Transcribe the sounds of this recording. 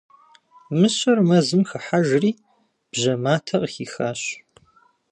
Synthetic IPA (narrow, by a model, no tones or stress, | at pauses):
mɨɕɐrmɐzɨmxɐħaʒriː | b̥ʑɐmaːtʰɐʔxiːxaːɕ